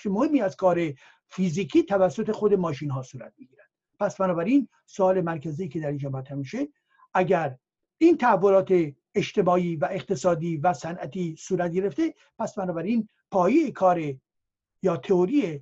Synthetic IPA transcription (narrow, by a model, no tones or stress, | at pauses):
emohemːiːæzkʰɒːɾe̞ | fiːziːkʰiːt̪ʰævæsːo̞t̪e̞xod̪e̞mɒːʃiːnɦɒːsuːɾæ̰t̪̚miɟiːɾæd̪̥ | pʰæsbænɒːbæɾin | soɒːle̞mæɾkʰæziːkʰe̞d̪æɾind͡ʒɒːmæt̪ʰːæmiʃe | ʔæɟæɾ | ʔint̪ʰæːvːolɒːt̪ʰe̞ː | ʃt̪e̞mɒːiːvæʔeqt̪ʰe̞sɒːd̪iːvæsænʔæt̪ʰiːsuːɾæt̪̚ɡe̞ɾe̞ft̪e̞ | pʰæsbænɒːbæɾiːn | pʰɒːjejekʰɒːɾe | jɒːt̪ʰeoɾije